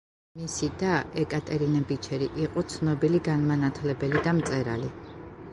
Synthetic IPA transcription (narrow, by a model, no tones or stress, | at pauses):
misid̪aɛkʼat̪ʼɛɾinabit͡ʃʰɛɾiʔiqʼɔt̪sʰnɔbiliɡanmanat̪ʰlɛbɛlid̪amt̪sʼɛɾa̰li